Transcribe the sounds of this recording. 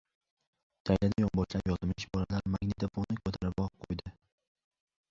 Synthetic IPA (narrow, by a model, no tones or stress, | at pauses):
t̪ʰajlad̪ajɒmbɒʃlapjɒt̪ɪmɪʃbɒlalaɾmaŋnɪd̪afonɪkʰɵt̪ʰaɾɪpɒqʰojd̪ɪ